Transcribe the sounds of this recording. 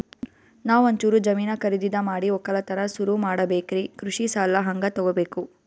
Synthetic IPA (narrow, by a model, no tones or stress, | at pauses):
naːʋɐnt͡ʃuːɾud͡ʒɐmiːnɐkɐɾid̪id̪ɐmaːɽiɔkːɐlɐt̪ɐnɐsuɾumaːɽɐbeːkɾikɾuʂisaːlːɐɦɐŋɡɐt̪ɔɡɔbe̞ːku